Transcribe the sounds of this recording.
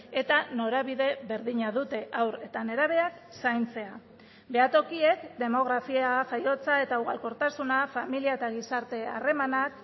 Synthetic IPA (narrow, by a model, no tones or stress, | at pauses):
e̞t̪ano̞ɾaβ̞iðe̞βe̞ɾðiɲaðut̪e̞ʔawɾe̞t̪ane̞ɾaβ̞e̞ak | sajnt͡se̞a | be̞at̪o̞kie̞kd̪e̞mo̞ɣ̞ɾafiafajo̞t͡sae̞t̪auɣa̰lko̞ɾt̪asunafamiliae̞t̪aɣ̞isaɾt̪e̞a̰re̞manak